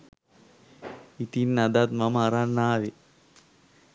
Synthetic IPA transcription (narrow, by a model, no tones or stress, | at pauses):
it̪inːɐd̪at̪̚mɐmɐɾanːaːʋi